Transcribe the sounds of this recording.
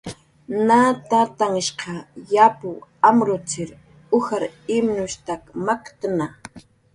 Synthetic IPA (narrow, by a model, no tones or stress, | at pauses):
nat̪at̪aŋɪʃqɑjapʊamɾʊt͡sɪɾ | ʊxaɾɪmnʊʃt̪akmakt̪ana